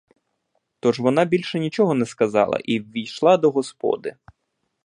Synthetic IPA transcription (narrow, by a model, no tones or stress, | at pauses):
t̪ɔʒʋɔnɑbʲilʲʃɛnʲit͡ʃɔɦɔnɛskɐzɑ̰lˠɐ̰ʔiwʲːijʃlˠɑd̪ɔɦɔspɔ̰d̪ɪ